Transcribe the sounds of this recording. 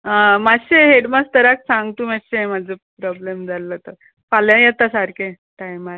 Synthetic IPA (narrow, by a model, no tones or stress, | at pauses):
əmaɕeɦeɽmast̪əɾak̚sãŋɡt̪uːmaɕemad͡zʱəpɾɔblemd͡zʱalːət̪ə | faljãjet̪asaɾke | ʈajmaɾ